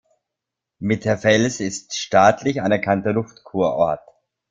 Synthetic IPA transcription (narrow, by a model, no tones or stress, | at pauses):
mɪtɛɐfɛlsɪstʃtaːtʰlɪçanɛɐkʰantɐlʊftkʰuːɐʔɔɐt